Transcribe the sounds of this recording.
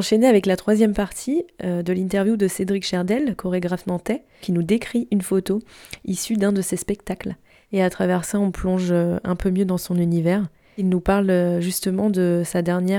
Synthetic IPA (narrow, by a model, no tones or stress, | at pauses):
ɑ̃ʃeneavɛklat̪χwazjɛmpaʁt̪ʰiød̪əlĩnt̪ɛʁvjud̪əsed̪ʁikʃɛʁd̪ɛlkʰɔʁeɡʁafmɑ̃t̪ɛ | kʲinud̪ekχiʔynfot̪oisyd̪ɛ̃d̪əsespɛkt̪akl | eat̪χavɛʁsaɔ̃plɔ̃ʒøɛ̰̃pømjød̪ɑ̃sɔ̃nynivɛʁ | ilnupaʁløʒyst̪əmɑ̃d̪əsad̪ɛʁnjɛ